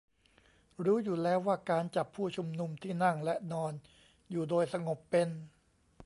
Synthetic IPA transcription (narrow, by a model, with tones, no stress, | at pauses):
ɾuː˦˥juː˨˩lɛː˦˥wːaː˥˩kaː˧nt͡ɕa˨˩pʰuː˥˩t͡ɕʰu˧mnu˧mt̪ʰiː˥˩na˥˩ŋlɛ˦˥nɔː˧n | juː˨˩doː˧jsa˧ŋo˨˩pːe˧n